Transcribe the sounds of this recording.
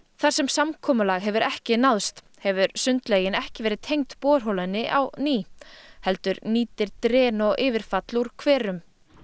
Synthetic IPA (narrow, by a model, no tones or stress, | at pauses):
θaɾ̥sɛmsamkʰɔːmʏlaɣɦɛvʏɾɛhcɪnaðst̪ | hɛvʏɾsʏnt̪leːjɪnɛhcɪvɛːɾɪðt̪ʰejŋt̪pɔːɾ̥ɦowlanːɪʔa̰wniːhɛl̪t̪ʏɾniːt̪ɪɾt̪ɾɛːnɔɣʔɪːvɪɾ̥fat̪luɾ̥kʰvɛːɾʏm